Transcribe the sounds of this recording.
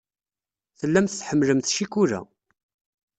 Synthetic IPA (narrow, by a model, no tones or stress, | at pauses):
θəlːæmθθħəmːləmθʃikuɾæ̰